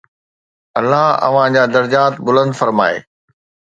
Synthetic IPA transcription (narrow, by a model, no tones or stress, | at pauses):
ɐlːaɦɐ̰ʋ̤ãd͡ʑaːd̪ɐɾd͡ʑaːt̪bʊlə̃nd̪fɐɾma̰ːḛː